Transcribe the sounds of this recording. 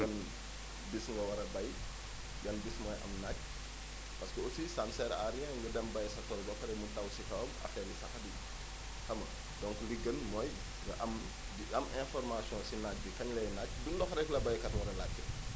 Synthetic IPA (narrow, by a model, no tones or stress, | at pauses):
ɐn | bisŋɡɐwɐɾɐbɐj | ɡɐnbismɔːjʔɐ̰mnac̚ | pɐskəosisamsɛɾa̰ɾiɛ̃ŋɡɐdɐmbɐjsɐtɔldɔkɾɛmuntɐwsikɐwɐmɐ̰fɛlisɐxɐdi | xɐmɐ̰ | dɔŋkliɡɐnmɔːj | ŋɡɐʔɐm | ɐmɛ̃fɔrmasjɔ̃sinac̚bikɐɲlɐjnac̚ːdundɔxɾɛklɐbɐjkɐtwɐɾɐlacːə